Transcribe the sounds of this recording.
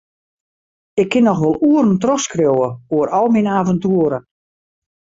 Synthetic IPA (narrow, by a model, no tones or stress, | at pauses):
ɪkʰːɪnɔxʋɔlˠuərn̩trɔxskrowəoəɾɔlˠminaːvəntuəɾə